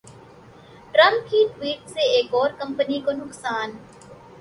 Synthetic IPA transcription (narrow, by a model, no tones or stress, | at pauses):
ʈɾə̃mp̚kiʈʋiːʈseeːkɔːɾkə̃mpənikonʊqsaːn